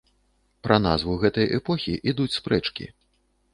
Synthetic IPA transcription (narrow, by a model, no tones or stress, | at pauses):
pɾɐn̪a̰zvuɣɛt̪ɐjʔɛpɔxʲiʔid̪ut͡sʲspɾɛt͡ʂkʲḭ